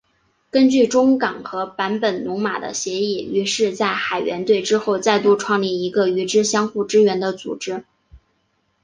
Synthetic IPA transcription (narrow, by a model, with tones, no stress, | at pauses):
kə˥nt͡ɕy˥˩ʈ͡ʂʊ˥ŋkɑ˨˩ŋxɤ˧˥pa˧˥npə˨˩nnʊ˧˥ŋma̰˨˩d̪ə̰˦ɕjɛ˧˥i˥˩y˧˥ʂɻ̩˥˧t͡sa˥˩ɪxa˨˩ɪɥɛ̰˧˥nt̪we˥˩ɪʈ͡ʂɻ̩˥xo˥˧ʊt͡sa˥˧ɪt̪u˥˧ʈ͡ʂʰwɑ˥˧ŋli˥˩i˧˥ɡə˧y˧˥ʈ͡ʂɻ̩˥ɕjɑ˥ŋxu˥˩ʈ͡ʂɻ̩˥ɥɛ˧˥nd̪ə˧t͡sṵ˨˩ʈ͡ʂɻ̩˥